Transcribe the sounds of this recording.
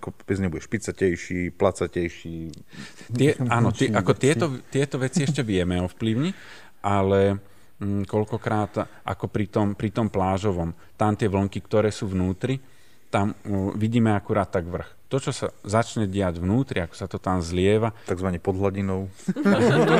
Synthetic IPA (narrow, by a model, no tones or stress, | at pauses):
akɔbɛd͡zɲɛbuɟɛʃpit͡sacɛjʃiːplat͡sacɛjʃi | t̪ɛaːnɔt̪ɪɛʔakɔt̪ɪɛt̪ɔt̪ɪɛt̪ɔʋɛt͡siɛʃcɛʋɪɛmɛɔfpliʊɲɛ | ʔalɛ | kɔlkɔkɾaːt̪ | ʔa̰kɔpɾit̪ɔmpɾit̪ɔmplaːʒɔʋɔm | t̪amt̪ɪɛʋl̩ŋkikt̪ɔɾɛːsuːʋnuːt̪ɾi | t̪amʋiɟiːmɛakuɾaːt̪̚ːaɡʋr̩xt̪ɔt͡ʃɔsa̰zat͡ʃɲɛɟɪaɟʋnuːt̪ɾiakɔ̥sat̪ɔt̪amzlɪɛʋat̪aɡzʋaɲɛpɔd̪ɦlaɟinɔʊ